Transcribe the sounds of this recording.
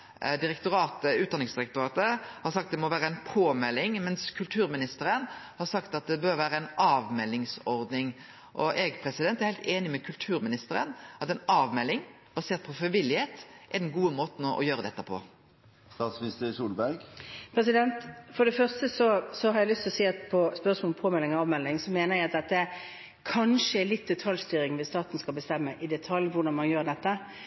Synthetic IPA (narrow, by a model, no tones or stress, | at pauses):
d̪ɪɾɛk̚t̪ʊɾɑːt̪əʉːt̪̚d̪ɑnɪŋsd̪ɪɾɛk̚t̪ʊɾɑːt̪əhɑɾsɑk̚t̪̚d̪ɛmɔʋæːɾəæɪnpʰoːmɛlːɪŋmɛnskʰʉlt̪ʰʉːɾmɪnɪst̪əɾənhɑɾsɑkt̪ɑt̪̚d̪ɛbøɾʋæːɾəæɪnʔɑːʋmɛlːɪŋsɔɾd̪nɪŋ | ʔɔʔɛɡpʰɾɛsɪd̪ɛnt̪æɾhɛɪlt̪eːnɪmɛkʰʉlt̪ʰʉːɾmɪnɪst̪əɾə̰nʔɑt̪ɛɪnɑːʋmɛlːɪŋ | bɑseːɾt̪̚pʰɔfɾɪʋɪlːɪheːt̪ʔɛd̪ɛnɡuːəmoːt̪n̩ɔʔɔ̰jøːɾəd̪ɛt̪ːəpʰɔ̰ | st̪ɑːt̪smnɪst̪əsuːlbæɾɡpʰɾɛs̬ɪd̪ɛnt̪fɔɾɖ̪ɛfœʁst̪əsɔsɔhɑɾjæɪlʏst̪ʰɪlɔseːt̪pʰɔspœʁsmolpʰoːmɛlːɪŋɑːʋmɛlːɪŋsɔmeːnəɾjæɪɑt̪̚d̪ɛt̪̚ːɛ | kʰɑnʂəɛlɪt̪̚d̪ɛt̪ʰɑljst̪yːɾɪŋʋɪst̪ɑːt̪n̩skɑlbəst̪ɛmːəʔɪd̪ɛt̪ʰɑljʋʊʁd̪ɑnmɑnjøːɾd̪ɛt̪ːə